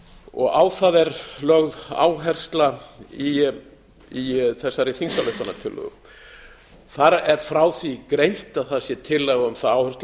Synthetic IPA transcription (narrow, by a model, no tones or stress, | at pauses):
ɔɣaːwθaðɛɾlœɣða̰ːwɦɛr̥st̪lai | iθɛsːaɾɪθinsalʏhpanːat̪ʰɪlːʏ̰ɣ | θaɾɛɾ̥fɾaːwθikɾejn̥t̪aðθaðsjɛt̪ʰɪlːɛɣaʏmθaðaːwhɛɾst̪l